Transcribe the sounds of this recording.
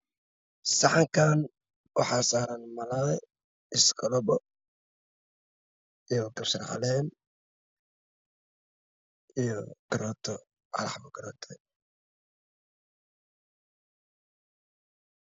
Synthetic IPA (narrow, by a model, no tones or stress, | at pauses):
sɑħɑŋkʰaːn | wɑħɑsaːɾɐnmɐlaːj | ɪskʰɔlɔbɔ | ijɔɡɐbsɐrʕɑ̰lɛːn | ijɔkɐɾɔːt̪ʰɔ | ʕɑ̰lɑħbɔɡɐɾɔːt̪ʰɛ